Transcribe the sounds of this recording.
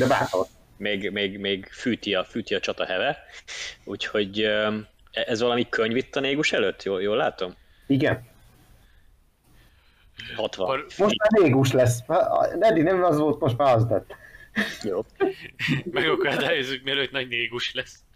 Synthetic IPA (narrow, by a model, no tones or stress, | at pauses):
d̪ɛba̰ːrt̪o̰ | meːɡmeːɡmeːɡfyːt̪iɒfyːt̪iɒt͡ʃɒt̪ɒhɛvɛ | uːcho̞ɟø | ɛʔɛzʋɒlɒmikøɲvit̪ːɒneːɡuʃɛløt̪ːjoːjoːlːaːt̪o̞m | iɡɛn | hɒt̪ʋɒomoʃmaːneːɡuʃlɛsːnɛd̪inɛmɒzʋolt̪moʃt̪maːɾɒst̪ɛt̪ːjoː | mɛɡɒkɒd̪aːjozːyk̚miɛløːt̪nɒɟneːɡuʃlɛs